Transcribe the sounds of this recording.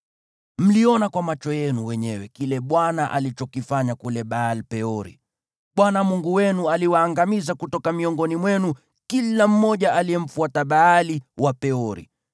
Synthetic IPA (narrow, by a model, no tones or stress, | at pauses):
m̩liɔnakwamat͡ʃɔjɛnuwɛɲɛwɛkilɛɓwanaʔa̰lit͡ʃɔkifaɲakulɛɓaːlipɛɔɾḭ | ɓwanamuŋɡuwɛnualiwaːŋɡamizakutɔkamiɔŋɡɔnimwɛnu | kilam̩mɔʄaʔaliɛm̩fuataɓaːliwapɛɔɾḭ